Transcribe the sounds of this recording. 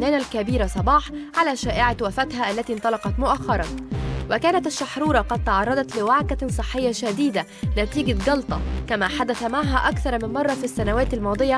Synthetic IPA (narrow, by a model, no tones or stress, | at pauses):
næːnælkæbiːɾasˤɑbɑːħʕalæːʃæːʔɪʕawæfæt̪ɦæːʔælːæt̪iːnt̪ˤɑlɑqɑt̪mʊʔaxːɑɾˤɑnwækæːnæt̪aʃːɑħɾuːɾˤɑqɑd̪̚t̪ɑʕɑrˤːɑd̪ˤɑt̪lɪwaʕkæsˤɨħːɪjːaʃæd̪iːd̪æ | næt̪iːɡaɡɑlt̪ˤɑkæmæːħad̪æθæmaʕɦæːʔækθɑɾˤmɪnmɑrˤːɑfisːænæwæːt̪almɑːd̪ˤɨjɑ